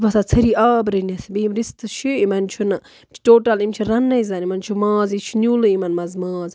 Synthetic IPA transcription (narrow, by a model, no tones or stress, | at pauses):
bɐsat͡sʰɐɾiːaːbɾɐnʲɐsbimɾist̪ɨʃʰuimɐnt͡ʃʰunɐ | mt͡ʃʰi̥ʈoːʈɐlimt͡ʃʰiɾɐnːɐjzanimɐnt͡ʃʰumãːzit͡ʃʰinʲulɨimɐnmɐzmaːz